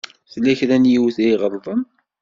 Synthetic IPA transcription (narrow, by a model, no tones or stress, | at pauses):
θlæçɾænjiwθiʁəɾˤðˤəm